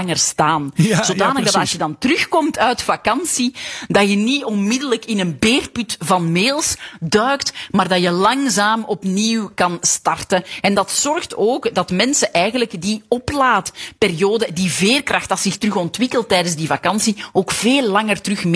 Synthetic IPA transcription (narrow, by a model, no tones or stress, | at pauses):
ŋərstaːnz̥oːdaːnəɣɡdɑtɑsjədɑntrʏxkɔmtʰœɥtfɑkɑnsidɑjəniɔnmɪdələkɪnənbeːrpytvɑnmeːlˠsdœːktmaːrdɑjəlɑŋzaːmɔpniwkɑnstɑrtəɛndɑtsɔrxtoːkdɑtmɛnsəʔɛjɣənləkdiɔplaːtperijoːdədiveːrkrɑxtɑsɪxtərʏxɔntʋɪkəlˠtːɛjdənzdivɑkɑnsioːkv̥eːlˠːɑŋərtrʏxm